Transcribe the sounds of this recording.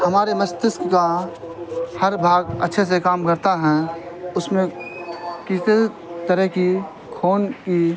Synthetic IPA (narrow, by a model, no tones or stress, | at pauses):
hɐmaːɾeməst̪ɪskka | hɐɾbʱaːɡə̰tːʃʰes̬ekaːmkəɾt̪aɦɛ̃ʊsmẽ | kɪse | t̪əɾəɦki | kʰoːnki